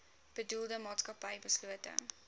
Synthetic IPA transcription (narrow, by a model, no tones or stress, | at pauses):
b̥ədulˠdəmɑːtskɐpɐjbəsluətə̰ŋ